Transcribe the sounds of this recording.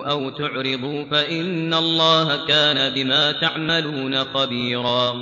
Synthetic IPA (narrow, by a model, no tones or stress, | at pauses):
ʔawt̪ʊʕɾɪd̪ˤuːfaʔɪnːalˤːɑːhakaːnabɪmaːt̪aʕmaluːnaxabiːɾɑː